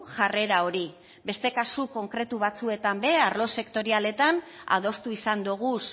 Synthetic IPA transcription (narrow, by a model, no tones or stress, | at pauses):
ʝare̞ɾao̞ɾi | be̞st̪e̞kasuko̞ŋkɾe̞t̪uβ̞at͡sue̞t̪ambe̞aɾlo̞se̞kt̪o̞ɾiale̞t̪ana̰ð̞o̞st̪uisand̪uɣ̞us